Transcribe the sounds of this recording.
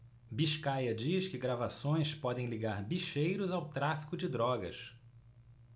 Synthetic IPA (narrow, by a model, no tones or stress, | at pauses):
biʃkajɐd͡ʒiʃkɪɡɾavasõj̃spɔd̪ẽj̃liɡaɾbiʃejɾʊzawt̪ɾafi̥kʊd͡ʒɪd̪ɾɔɡɐ̰s